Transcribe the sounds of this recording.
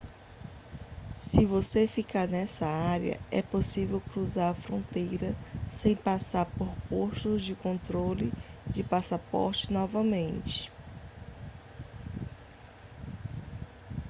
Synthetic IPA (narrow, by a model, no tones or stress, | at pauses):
sɪvosefikaɾnɛsɐaɾjɐ̰ɛ̰posivewkɾuzaɾɐfɾõnt̪ejɾɐsẽj̃pasaɾpoɾpoʃt̪ʊzd͡ʒɪkõt̪ɾolid͡ʒɪpasapɔ̰ɾt͡ʃɪ̥nɔvɐmẽnt͡ʃɪ̥